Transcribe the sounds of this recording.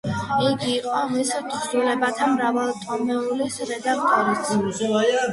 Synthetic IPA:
iɡiːqʼɔmisɛt͡ʃʰʼɾd̪ulɛbat̪ʰamɾavalˠt̪ʼɔmɛulisɾɛd̪ak̚ʰt̪ʼɔɾit̪s

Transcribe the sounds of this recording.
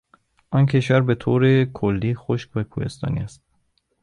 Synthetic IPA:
ʔɒncʰe̞ʃvæɾbe̞t̪ʰoːɾekʰolːiːxoʃkvækʰuhe̞̰st̪ɒ̰ːnḭæst̪̚

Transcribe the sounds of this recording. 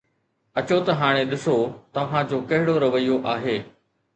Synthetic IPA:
ɐt͡ɕot̪ɐɦaːɽ̃eɗɪsot̪ɐʋ̤ãd͡ʑoːkɐɦɪɽoɾɐʋəijoʔaːɦeː

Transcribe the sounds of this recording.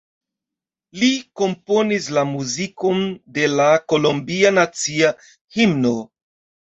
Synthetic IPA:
liko̞mpo̞nislamuziko̞nde̞lako̞lombianat͡sia | himno̞

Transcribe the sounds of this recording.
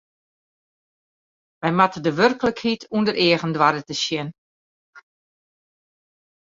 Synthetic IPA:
ʋɛjmatədəʋørkələkhitʰundərɪəɣəndʋadətəsjɪn

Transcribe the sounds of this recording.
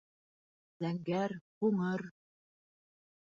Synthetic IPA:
zæŋɡæɾhuŋɤɾ

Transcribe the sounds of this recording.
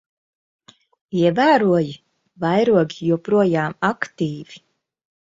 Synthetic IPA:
iɛvæːɾuɔji | vajɾuɔɡijuɔpɾuɔjaːmakt̪iːvi̥

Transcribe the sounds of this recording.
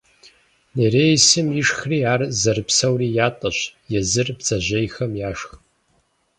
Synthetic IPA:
neɾeːjsɨmiʂxriaːrzɐrɨpsɐwrijaːtʼɐɕjɛzɨrbzɐʒɐjxɐmjaːʂx

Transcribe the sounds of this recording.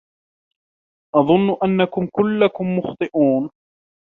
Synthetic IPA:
ʔɑðˤʊnːʔanːakʊmkʊlːakʊmːʊxt̪ˤɨʔuːn

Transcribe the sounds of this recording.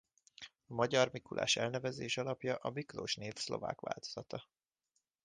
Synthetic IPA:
ɒmɒɟɒrmikulʔa̰ːʃɛlnɛvɛzeːʃɒlɒpjɒʔɒbiklo̰ːʃneːfslo̞̰va̰ːkʋa̰ːlt̪o̥z̥ɒt̪ɒ

